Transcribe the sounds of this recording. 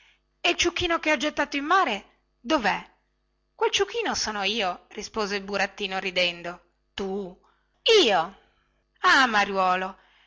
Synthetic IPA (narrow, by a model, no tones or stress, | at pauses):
elt͡ʃukːiːnokeɔd͡ʒet̪ːaːt̪oimːaːɾe | d̪ovɛ | kwelt͡ʃukːiːnosɔːnoiːorispoːzeilbuɾat̪ːiːnoɾid̪ɛnd̪o | t̪u | iːo | amaɾjwɔːlo